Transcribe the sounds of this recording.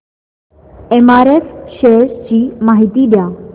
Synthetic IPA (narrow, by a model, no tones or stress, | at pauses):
emaɾefʃest͡ɕiːmaɦit̪iːd̪jaː